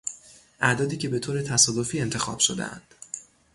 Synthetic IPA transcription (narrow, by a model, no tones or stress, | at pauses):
ʔæd̪ɒːd̪iːcʰe̞be̞t̪ʰoːɾe̞t̪ʰæsɒːd̪o̞fiːe̞nt̪ʰe̞xɒ̰ːb̥ʃo̞d̪ḛæ̰nd̪̥